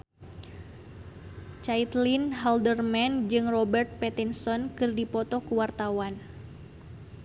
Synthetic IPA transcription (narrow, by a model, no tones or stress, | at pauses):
t͡ʃait̪linɦaldərmɛnd͡ʒɨŋrɔbɛrt̪̚pɛt̪insɔnkɨrdipɔt̪ɔkuwart̪awan